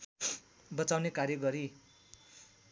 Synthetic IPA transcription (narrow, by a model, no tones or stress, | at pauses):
bʌt͡sawnekarjʌɡʌɾi